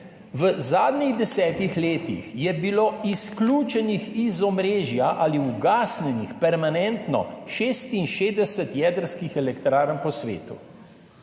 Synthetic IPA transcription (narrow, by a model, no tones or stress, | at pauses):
ʋəzaːd̪niɣd̪ɛsɛːt̪ixleːt̪ḭxjɛbiloːiskluːt͡ʃɛnixizɔmɾeːʒjaʔaliuɡaːsnɛnixpɛɾmanɛnt̪nɔ̰ʃeːst̪inʃeːzd̪ɛsɛt̪jɛːd̪əɾskixɛlɛkt̪ɾaːɾnpɔsʋḛːt̪ṵ